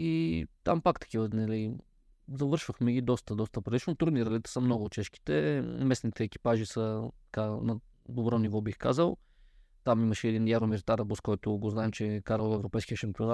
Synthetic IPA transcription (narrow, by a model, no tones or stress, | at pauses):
it̪a̰mpakt̪ɐ̥kivənɐli | zɐvɤɾʃvəxmɛɡʲid̪ɔst̪əd̪ɔst̪əpɾɐd̪it͡ʃnot̪ɾud̪niɾɐlit̪ɛ̥səmnɔɡʊt̪t͡ʃɛʃki̥t̪ɛmɛsnit̪ɛːk̟i̥paʒisət̪ɐ̥kanɐ | d̪obɾɔnivɔbixka̰zəlˠ | t̪amimɐʃɛːd̪injaɾomiɾt̪aɾɐbuskɔjt̪ʊɡoznaɛmt͡ʃɛkaɾəlˠɛvɾopɛjskʲiəʃɛmpʲiona